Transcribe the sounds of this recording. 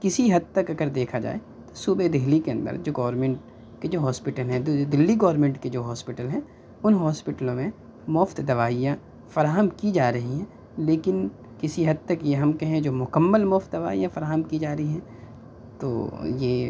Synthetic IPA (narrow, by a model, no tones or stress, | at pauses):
kɪsiɦɐd̪̚t̪ɐkɐɡəɾd̪eːkʰad͡ʒa̰ːe | t̪o̥suːbed̪eɦlikeɐ̃nd̪ə̰ɾd͡ʒoːɡɔːɾmẽɳʈ | ked͡ʒoːɦɔːspɪʈəlɦɛ̃d̪d̪ɪlːiɡɔːɾmẽːɳʈked͡ʒoːɦɔːspɪʈəlɦɛ̃ | ʊnɦɔːspɪʈəlõmẽ | mɔːft̪d̪ɐʋaːijã | fɐɾaːɦəmkid͡ʒaːɾɐɦiɦɛ̃ | leːkɪn | kɪsiɦɐd̪̚t̪ɐkjeɦɐmkɐɦẽd͡ʒoːmʊkəmːəlmɔːft̪̚d̪ɐʋa̰ːijãfɐɾaːɦəmkid͡ʒaːɾɐɦiɦɛ̃ː | t̪o̰ːjeː